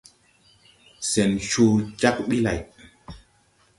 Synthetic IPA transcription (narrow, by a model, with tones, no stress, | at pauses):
sɛ˨nʃo˨˧t͡ʃa˦k̚ɓi˦la̰˨j